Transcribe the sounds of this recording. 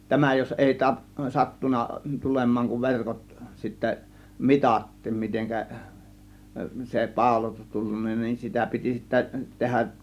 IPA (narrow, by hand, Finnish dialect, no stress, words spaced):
tæmæ jos eˑi tɑ sɑtːunɑ tulemˑɑːŋ kuʋ ʋerkot sitːæ mitɑtːiːm miteŋkæ se pɑˑo̝lotus tulːunːɑ nin sitæ piti sitːæ tehæʔ